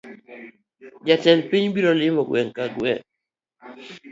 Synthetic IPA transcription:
d͡ʒatɛnpiɲbiɾɔlɪmɔɡwɛŋkaɡwɛ̰ŋ

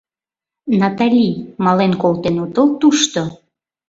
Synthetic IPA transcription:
nɑt̪alʲimɑlenkolt̪enut̪əlt̪uʃt̪o

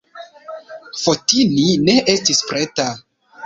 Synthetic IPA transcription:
fotinine̞ʔestispɾeta

